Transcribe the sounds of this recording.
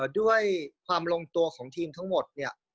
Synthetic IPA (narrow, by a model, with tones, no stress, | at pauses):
du˥˩əjkʰwaː˧mlo˧ŋt̪u˧ɐkʰɔː˩˦ŋt̪ʰiː˧mt̪ʰa˥˩ŋmo˨˩t̪̚ni˥˩ɐ